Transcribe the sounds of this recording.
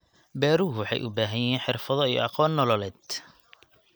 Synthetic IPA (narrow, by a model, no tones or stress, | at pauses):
bɛːɾuwɑħɑ̰jʔʊbaːɦɐjiːnħɪrfɐðɔijɔ̰ʔɑqɔːnːɔlɔlɛːd̪